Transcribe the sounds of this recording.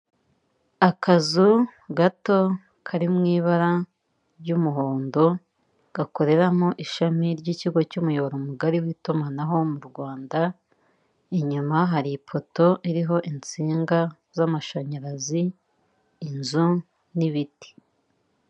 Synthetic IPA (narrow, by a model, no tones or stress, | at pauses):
akʰazuɡato̞ | kʰaɾimŋiːβaɾa | ɾɟuːmuɦoːndo̞ | ɡ̥ako̞ɾe̞ɾamoʔiʃamiɾɟiːciɡo̞cuːmujoβoɾomuɡaɾiwitumanaɦo̞muɾɡwaːnda | iɲumaɦaɾipʰo̞to̞ʔiɾiɦo̞ʔint͡siːŋɡa | zamaʃaɲaɾaziː | nzu | niβiti̥